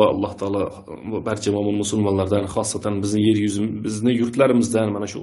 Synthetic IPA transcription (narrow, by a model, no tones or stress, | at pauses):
ɑ̰lˠːɑht̪ʰɑɑːlˠɑ | bæɾt͡ʃʰɛmɑmɑnmusulˠmɑnlˠɑɾd̪ɛnχɑsːɑt̪ʰænbɪznɪjeɾjyzɪbɪznɪjuɾt̪ʰlæɾɪmɪzd̪ɛnmɛnɛʃṵ